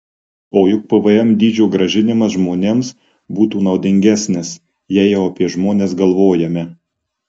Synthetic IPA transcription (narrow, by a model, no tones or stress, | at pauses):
oːjʊk̚pəʋɐɛmd̪ʲiːd͡ʒʲuːɡɾɐʒʲɪnʲɪmɐsʒmoːnʲeːms | buːt̪uːnɐʊd̪ʲɪŋʲɡʲæsʲnʲɪs | jæːjɛʊɐpʲiɛʒmoːnʲeːs̬ɡɐlˠʋoːjɛmʲɛ